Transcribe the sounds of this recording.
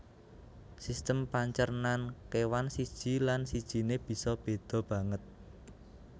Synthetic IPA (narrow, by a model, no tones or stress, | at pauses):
sist̪əmpaɲt͡ʃərnankewansid̥ʒ̥i̤lansid̥ʒ̥i̤neb̥i̤sɔb̥e̤d̪̥ɔ̤b̥ä̤ŋət̪̚